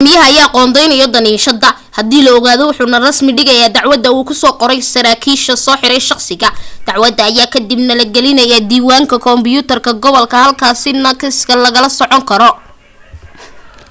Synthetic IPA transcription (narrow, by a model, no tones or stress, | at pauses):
mɪjɐɦɐjɛɑqɔːnd̪ɛjnɛjɔd̪ɐniːʃɐðɐ | hɐd̪iːlɐɔɣaːðɔwʊħuːnɐrɐsmɪɖɪɣɐjaːd̪ɑʕwɐðɐuːkʰʊsɔːqɔɾɛjsɐɾaːkʰiːʃɐsɔːħɪɾɛjʃɑqsɪɣɐd̪̥ɑʕwɐðɐːjaːkʰɐd̪ɪbnɐlɐɡɛlɪnɐjaːd̪iːwaːŋkʰɐkʰɔmbɪjuːt̪ʰɐrkʰɐɡɔβɔlkʰɐhɐlkʰaːsɪnɐkʰɐskɐlɐɣɐlɐsɔʕɔŋkʰɐɾɔ